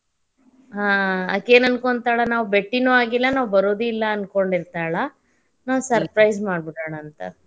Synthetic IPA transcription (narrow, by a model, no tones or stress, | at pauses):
ɦaːɐ̰keːnɐnkoɳt̪aːɭɐnaːʋube̞ʈːinuːaːɡilːɐnaːʋubɐɾoːd̪uilːɐːnko̞ɳɖiɾt̪aːɭɐ | naːʋusɐɾpɾɐjzmaːɖ̚biʈaːɭɐːnt̪ɐ̰